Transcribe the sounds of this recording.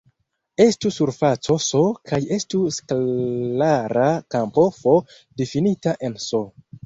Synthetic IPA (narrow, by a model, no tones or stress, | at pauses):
e̞stusuɾfat͡so̞sokʰaje̞stuskllaɾakampo̞fo̞ | definitaʔe̞nso